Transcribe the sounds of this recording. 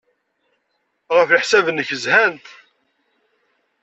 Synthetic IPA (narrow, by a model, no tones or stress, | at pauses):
ʁəfiħsævənːəçəzhænt̪